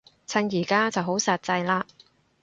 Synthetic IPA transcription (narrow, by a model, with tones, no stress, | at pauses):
t͡sʰɐ˧ŋjiː˨˩kaː˥t͡sɐ˨wɦo˨˥wsɐ˨˩t̚t͡sɐ˧jlaː˧